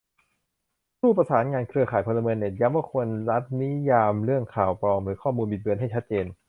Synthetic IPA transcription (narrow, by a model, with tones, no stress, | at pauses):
suː˥˩pɾa˧saː˩˦nŋaː˧nkʰɾɯ˧ɐkʰaː˨˩jpʰo˧lːa˧mɤː˧nːe˨˩t̪̚ja˧˥mbɯ˥˩˨kʰu˧ənɾa˦˥t̪̚ni˦˥jaː˧mɾɯ˥˩əŋkʰaː˨˩wpɾɔː˧mɾɯː˩˦kʰɔː˥˩muː˧nbi˨˩t̪̚bɯ˧ənɦa˥˩jt͡ɕʰa˦˥t̪̚t͡ɕeː˧n